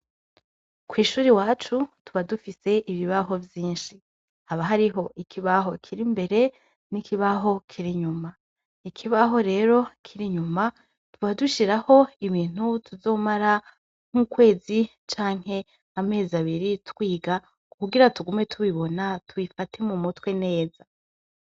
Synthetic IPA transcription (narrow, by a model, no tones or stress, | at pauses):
kwiːʃuːɾiwaːt͡ʃutuβadufise̞ʔiβiβaɦo̞vjiːnʃi | haβaɦaɾiɦo̞ʔikʰiβaɦo̞kʰiɾimbe̞ɾe̞ | nikʰiβaɦo̞kʰiɾiɲuma | ikʰiβaɦo̞ɾe̞ːɾo̞kʰiɾiɲuma | tuβaduʃiɾaho̞iβiːn̥hutuzo̞ːmaɾa | ŋ̥ukwe̞ːzi | t͡ʃaːŋ̥he̞ | ame̞ːzaβiɾitkwiːɡa | kuɡiɾatuɡume̞tʰuβiβo̞natʰuβifatʰe̞mumutwe̞ne̞ːza